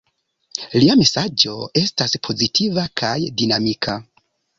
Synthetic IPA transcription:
liame̞sad͡ʒo̞e̞staspʰo̞zitʰivakʰajdinamikʰa

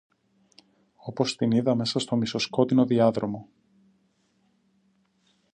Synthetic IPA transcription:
o̞po̞st̪iniðɐme̞sɐst̪o̞miso̞sko̞t̪ino̞ðiɐðɾo̞mo̞

